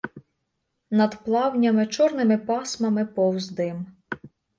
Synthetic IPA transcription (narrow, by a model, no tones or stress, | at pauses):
nɐd̪plˠɑwnʲɐmɪt͡ʃɔrnɪmɪpɑsmɐmɪpɔwzd̪ɪm